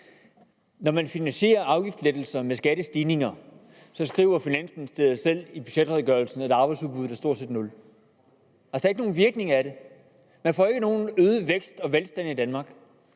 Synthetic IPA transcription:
nɒmænfinænsɕe̝̰ːɐɑ̈ʊɡ̥ifd̥sled̥l̩sɐmesɡ̥æɾəsd̥iːne̝ŋɐ | sɒ̽sɡ̥ʁḭːʊɐfinæn̰smenisd̥eɐð̩ˠsel̰ib̥yɕed̥ʁɛðˠɡ̥ɶɐlsn̩æɑ̈ːb̥ɑ̈ɪsuðˠb̥uðˠæɐsdo̝ɐ̰dseːd̥nɔ̽l | hæsd̥ɑ̈e̝ɡ̥əno̝ːn̩ʋiɐɡ̥ne̝ŋɐæɾe̝ | mænfɒ̰ːe̝ɡ̥əno̝ːn̩øːðˠʋeɡ̥sd̥ɒ̽ʋelsd̥æn̰id̥ænmɑ̈ːɡ̥

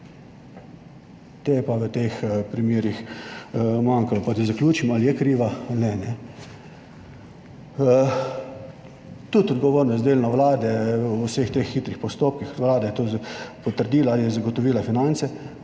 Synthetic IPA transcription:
t̪ejɛpaʋət̪expɾimeːɾix | maŋkalɔpad̪izakljuːt͡ʃimalijɛkɾiːʋaalnɛnɛ | t̪ut̪ɔd̪ɡɔʋoːɾnɔzd̪eːlnɔʋlaːd̪ɛsext̪exːit̪ɾixpɔst̪oːp̚kixʋlaːd̪ajɛt̪opɔt̪əɾd̪iːlalijɛzaɡɔt̪ɔʋiːlafinant̪sɛ

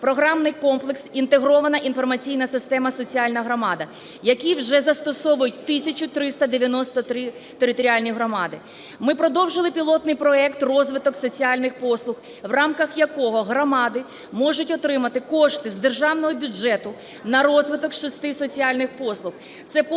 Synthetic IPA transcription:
pɾɔɦɾɑmnɪjkɔmplˠeksint̪eɦɾɔʋɐnɐʔinfɔrmɐt͡sʲijnɐsɪst̪ɛmɐsɔt͡sʲiɑlʲnɐɦɾɔmɑd̪ɐ | jɐkʲiwʒɛzɐst̪ɔsɔʋʊjʊtʲt̪ɪsʲɐt͡ʃʲʊt̪ɾɪst̪ɐd̪eʋʲjɐnɔst̪ɔt̪ɾɪ | t̪eɾɪt̪ɔɾʲialʲnʲiɦɾɔmɑd̪ɪ | mɪpɾɔd̪ɔwʒɪlˠɪpʲilˠɔt̪nɪjpɾɔɛkt̪rɔzʋɪt̪ɔksɔt͡sʲiɑlʲnɪxpɔslˠʊx | wrɑmkɐxjɐkɔɦɔɦɾɔmɑd̪ɪ | mɔʒʊtʲɔt̪ɾɪmɐt̪ɪkɔʃt̪ɪzd̪erʒɑwnɔɦɔbʲʊd͡ʒɛt̪ʊ | nɐɾɔzʋɪt̪ɔkʃist̪ɪsɔt͡sʲiɑlʲnɪxpɔslˠʊx | t̪sɛp

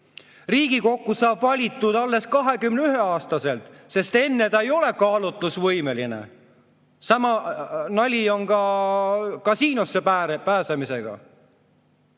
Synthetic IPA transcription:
riːɡ̥iko̞kːusɑːbvɑlʲit̪ːˑud̪̥ɑlːe̞skɑɦe̞kymneyɦe̞ɑːst̪ɑse̞lt̪ˑse̞st̪e̞nːe̞t̪ɑejo̞le̞kɑːlut̪ːˑusvɤjme̞linḛ | sɑmɑnɑlʲio̞nkɑ | kɑsiːnosːe̞pæpæːsemise̞ɡ̥ɑ̰

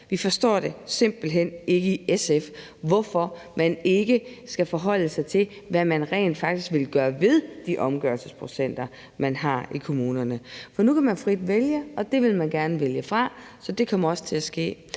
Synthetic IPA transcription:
ʋifɒ̽sd̥ɒ̰ːd̥e̝se̝m̰b̥l̩ɦen̰e̝ɡ̥əiesef | ʋɒfɒ̽ | mæne̝ɡ̥əsɡ̥æfɒ̽ɦɒ̽l̰əsɑ̈ɪt͡sʰe̝l | ʋæmænʁɛ̰ːnd̥fɑ̈ɡ̥d̥isɡ̥ʋe̝lɡ̥ɶːɐʋe̝ðˠd̥iʔɒ̽mɡ̥ɶɐlsəspʰʁo̝sen̰d̥ɐ | mænɦɑ̈ikʰo̝muːnɐnəfɒ̽nukʰæmænfʁid̥ʋeljəɒ̽d̥e̝ʋe̝lmænɡ̥æɐnəʋeljəfʁɑ̈ | sɒ̽d̥e̝kʰɒ̽m̰ɐɒ̽sə̥t͡sʰe̝læsɡ̥e̝̰ː

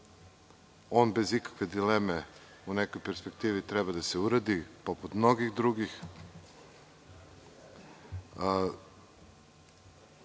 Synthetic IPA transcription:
o̞ːnbe̞zikḁkʋe̞d̪ileme | unekojpe̞ɾspe̞kt̪iːʋit̪ɾɛbad̪aseuɾad̪ipo̞put̪mno̞ɡixd̪ɾuɡix

